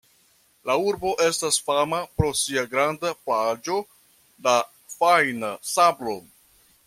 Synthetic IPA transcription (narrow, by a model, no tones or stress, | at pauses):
lauɾbo̞ʔe̞stasfamapɾo̞siaɡɾandapad͡ʒo̞ | la | fajnasablo̞